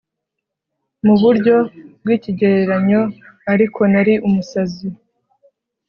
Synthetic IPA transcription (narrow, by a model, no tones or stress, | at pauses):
muβuɾɟo̞b̚ɡiːciɟe̞ɾeɾaɲo̞ | aɾikʰo̞naɾiʔumusazi